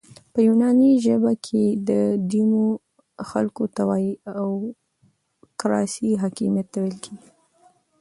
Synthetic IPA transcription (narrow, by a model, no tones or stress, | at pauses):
pəjunɑniʒəbakʰed̪əd̪imo | xalkot̪awɑiaw | kɾɑ̰siɦɑkimijat̪ːawelkʰeɡi